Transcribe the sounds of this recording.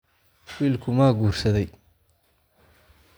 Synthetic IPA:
wiːlkʰʊmaːɡuːrsɐðɛj

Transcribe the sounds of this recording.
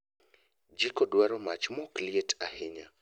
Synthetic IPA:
d͡ʒikɔdwaɾɔmat͡ʃmɔklietʰahɪɲa

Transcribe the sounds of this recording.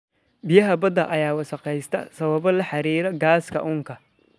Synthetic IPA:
bɪjɐɦɐbɐd̪ɐʔɐjaːwɐʃɐqɛjst̪ʰɐ̰sɐβɐβɔlɐħɑɾiːɾɐɡaːskʰɐ̰ʔʊːŋkʰɐ

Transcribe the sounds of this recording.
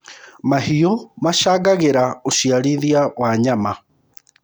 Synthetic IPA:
mahiomaʃaɣaɣeɾaoʃiaɾiðiawaɲama

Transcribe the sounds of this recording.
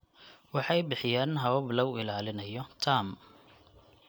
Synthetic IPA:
wɑħɑjbɪħɪjaːnɦɐβɐblɐwɪlaːlɪnɐjɔt̪ʰaːm

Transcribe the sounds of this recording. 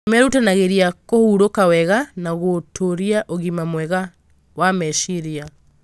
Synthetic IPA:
mɛɾutenaɣeɾiakohuɾokawɛɣanaɣotʰoɾiaʔoɣimamwɛɣa | wamɛʃiɾia

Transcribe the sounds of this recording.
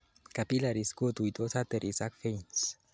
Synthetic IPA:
kapilaɾiskot̪ujt̪osat̪eɾʔisakfejns

